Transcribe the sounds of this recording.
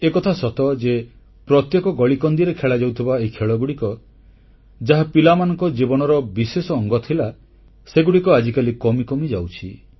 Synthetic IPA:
ekɔt̪ʰasɔt̪ɔd͡ʒe | pɾɔt̪jekɔɡɔɭikɔnd̪iɾekʰeɭad͡ʒawt̪ʰibaekʰeɭɔɡuɽikɔ | d͡ʒaɦapilamanɔŋkɔd͡ʒibɔnɔɾɔbisesɔːŋɡɔt̪ʰila | seɡuɽikɔad͡ʒikalikɔmikɔmid͡ʒawt͡ʃʰḭ

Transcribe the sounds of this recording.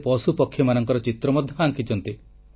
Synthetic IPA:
pɔsupɔkʰːjɔmanɔŋkɔɾɔt͡ʃit̪ɾɔmɔd̪ʱjɔaŋkit͡ʃɔnt̪i

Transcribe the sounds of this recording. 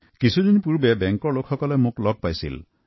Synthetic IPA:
kisʰud̪inipuɾbebeŋkɔlokʰːɔkɔlemũklɔɡ̚pajsḭl

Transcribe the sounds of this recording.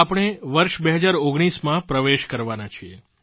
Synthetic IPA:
apɽ̃eʋəɾʃbeɦəd͡ʒaɾoɡɽ̃ismãpɾəʋeʃkəɾʋanat͡ʃʰiḛ

